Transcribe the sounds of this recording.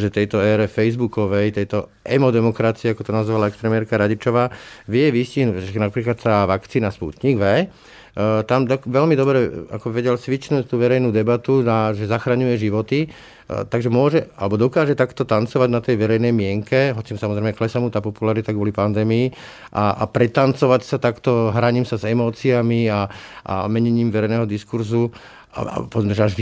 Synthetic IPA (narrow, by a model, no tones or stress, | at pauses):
ʒɛt̪ɛjt̪ɔɛːɾɛfɛjzbukɔʋɛjt̪ɛjt̪ɔ | ʔɛmɔd̪ɛmɔkɾat͡siɛakɔt̪ɔnazʋalaɛkst̪ɾɛmɛːɾkaɾaɟit͡ʃɔʋaːʋɪɛʋisciɦnuɛnapɾiːklat̪t̪aːʋakt͡siːnaspṵt̪ɲiɡʋɛ | t̪amd̪ɔkʋɛʎlmid̪ɔbɾɛa̰kɔʋɛɟɛlsʋit͡ʃnuːc̚t̪uːʋɛɾɛjnuːd̪ɛbat̪unaʒɛzaxɾaɲujɛʒiʋɔt̪i | t̪aɡʒɛmʊɔʒɛalɛbɔd̪ɔkaːʒɛt̪akt̪ɔt̪ant͡sɔʋaɟnat̪ɛjʋɛɾɛjnɛjmɪɛŋkɛɦɔt͡simsamɔzɾɛɪmɛklɛsamut̪aːpɔpulaɾit̪aɡʋɔlipand̪ɛːmii | ʔaa̰pɾɛt̪ant͡sɔʋacsat̪akt̪ɔɦɾaɲiːmsazɛmɔːt͡siamiaʔa̰mɛɲɛɲiːmʋɛɾɛɪjnɛːɦɔd̪iskuɾzu | a̰pɔʋɛd͡z̪mɛʒɛaʒʋ